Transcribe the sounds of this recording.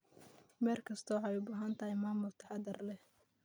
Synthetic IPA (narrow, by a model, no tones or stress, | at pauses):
mɛːrkʰɐst̪ʰɔwħɑjʊbaːɦaːnt̪ʰɐɦɛjmaːmʊlt̪ʰɐ̥ħɑd̪ɐrlɛh